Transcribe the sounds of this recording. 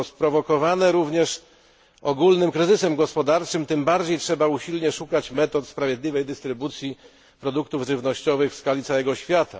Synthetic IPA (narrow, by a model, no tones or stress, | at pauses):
spɾɔvɔkɔvanɛɾuvɲɛʂ | ɔɡulnɘmkɾɘzɘsɛmɡɔspɔd̪aɾt͡ʂɘmt̪ɘmbaɾd͡ʑejtʂɛbauɕilɲɛʂukat͡ɕmɛt̪ɔt̪spɾavʲjɛd̪lʲivɛjd̪ɘst̪ɾɘbut̪sʲji | pɾɔd̪ukt̪uvʐɘvnɔɕt͡ɕɔvɘxfskalʲit̪awɛɡɔɕfʲjat̪a̰